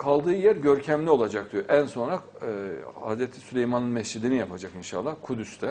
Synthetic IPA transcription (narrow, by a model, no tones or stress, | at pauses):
kʰalˠd̪ɯːjæɾɟø̞ɾcʰæmlʲio̞lˠad͡ʒak̚d̪yjoʔænso̞nɾakː | ha̰zɾɛt̪ʰi̥sylʲejmanɯnmɛsd͡ʒid̪inijapʰad͡ʒakinʃa̰lˠːahkʰud̪yst̪ɛ